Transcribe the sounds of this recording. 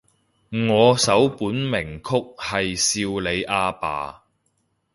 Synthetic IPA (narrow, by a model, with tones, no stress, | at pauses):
ŋɔː˨˧sɐ˨˥wpuː˨˥nmɪ˨˩ŋkʰʊ˥k̚hɐ˨jsiː˧wle˨˧jʔaː˧pa̰ː˨˧